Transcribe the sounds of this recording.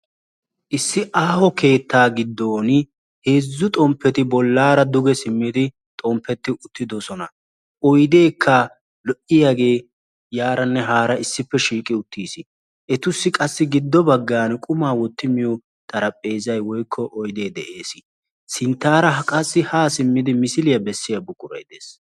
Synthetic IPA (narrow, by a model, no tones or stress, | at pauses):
ʔɪsːɪʔaːhɔke̞ːt̪ːaːɡɪd̪ːoːn | he̞ːzːʊt̪ʼɔmpːɛt̪ɪbɔlːaːɾɐd̪ʊɡɛsɪmːɪd̪ɪ | t̪ʼɔmpʰːɛt̪ːɪʔʊt̪ːɪd̪ɔsɔnɐ | ʔɔjd̪e̞ːkʰːɐ | lɔʔɪjaːɡe̞ː | jaːɾɐnːɛɦaːɾɐɪsːɪpːɛʃiːkʼɪʊt̪ːiːsɪ | ʔɛt̪ʊsːɪkʼɐsːɪɡɪd̪ːɔbɐɡːaːnkʼʊmaːwɔt̪ːɪmɪjɔ | t̪ʰʼɐɾɐpʼːe̞ːzɐjwɔjkʰːɔʔɔjd̪e̞ːd̪ɛʔe̞ːsɪ | sɪnt̪ːaːɾɐɦɐkʼɐsːɪhaːsɪmːɪd̪ɪmɪsɪlɪjɐbɛsːɪjɐbʊkʼʊɾɐ̰jd̪eːs